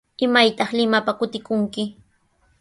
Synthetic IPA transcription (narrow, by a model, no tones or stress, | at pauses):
ɪmajt̪ɑχlɪmapakʊt̪ɪkʊŋkɪ